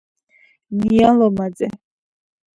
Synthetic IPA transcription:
nijalɔmad͡zɛ

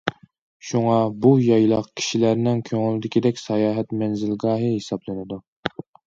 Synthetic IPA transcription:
ʃuŋɑbujɑjlˠɑqkʲʰi̥ʃilæɾnɪŋkʲʰøŋɪlɪd̪ɪkʲid̪ɛkʲsɛjɑːɦɛt̪mɛnzɪlɡɑːɦɨhesɑblˠɨnɪd̪u

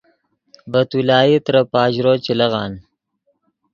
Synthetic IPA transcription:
bɐt̪ulɑːjit̪ɾɐpɑːʑɾoːt͡ʃilɐʁɑːn

